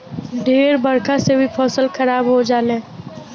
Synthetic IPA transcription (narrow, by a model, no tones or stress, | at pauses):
ɖʱeːɾbəɽkasebʱipʰɔːsəlxɐɾaːbɦod͡ʒaːlẽː